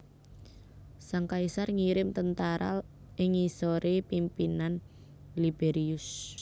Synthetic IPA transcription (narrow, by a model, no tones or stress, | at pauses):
saŋkaisarŋiɾɪmt̪ənt̪aɾa̰l | ʔɪŋisɔɾepimpinan | libeɾiʊs